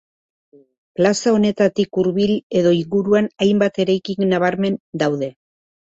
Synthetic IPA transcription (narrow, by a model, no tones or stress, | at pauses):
plasao̞ne̞t̪at̪ikuɾβile̞ðo̞iŋɡuɾuanajmbat̪e̞ɾajkiŋnaβ̞aɾme̞nd̪awðe̞